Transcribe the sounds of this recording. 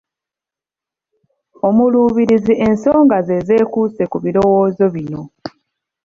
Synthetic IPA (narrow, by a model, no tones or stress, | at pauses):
o̞muluːβiɾiziʔe̞nso̞ːŋɡaze̞ze̞ːkuse̞kuβiɾo̞woːzo̞βino̞